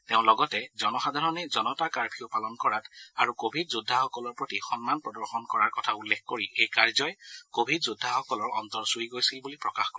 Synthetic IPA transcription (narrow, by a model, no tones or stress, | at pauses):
teʊ̃lɔɡɔtɛzɔnɔxadʱaɹɔnɛzɔnɔtakaɹpʰiopalɔnkɔɹataɹukobʱidzudʱːaxɔkɔlɔɹpɹotixɔnmanpɹɔdɔɹxɔnkɔɹaɹkɔtʰaulːexkoɹiʔejkaɹzɔjkobʱidzudʱaxɔkɔlɔɹɔ̰ntɔɹsujɡojsilbulipɹɔkaxkɔɹɛ